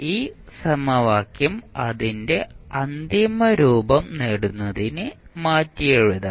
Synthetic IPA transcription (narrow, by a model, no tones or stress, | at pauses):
iːsɐmɐʋaːkjɐmɐðinde̞ɐnd̪imɐɾuːbɐmneɽunːɐðinɨmaːtːijeɻuðɐ